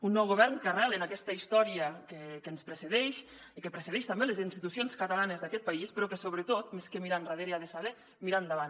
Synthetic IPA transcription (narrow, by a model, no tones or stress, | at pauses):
unːɔwɣoβɛrnkaralenakɛst̪əist̪ɔɾiəkekənspɾeseðɛʃ | ikəpɾeseðɛʃt̪ambelezinst̪it̪usionskət̪alanezðakɛt̪̚paispɾɔkesoβɾət̪ot̪meskəmiɾanraðeɾiaðesaβɛ | miɾand̪aβan